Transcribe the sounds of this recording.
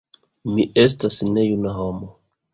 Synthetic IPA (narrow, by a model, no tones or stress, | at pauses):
miʔe̞stasne̞junaɦomo